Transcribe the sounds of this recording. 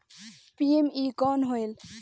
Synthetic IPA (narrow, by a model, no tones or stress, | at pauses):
piemiɡɔnɦoel